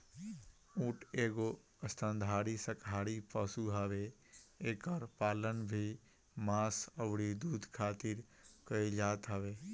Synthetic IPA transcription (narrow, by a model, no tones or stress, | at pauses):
ũːʈeːɡo | əst̪ʰə̃nd̪ʱaːɽisəkɦaːɽipəsuɦɐʋe | eːkəɾpaːlənbʱi | maːsəʋɽid̪uːd̪ʱkʰaːt̪ɪɾ | kəid͡ʒaːt̪ɦəʋeː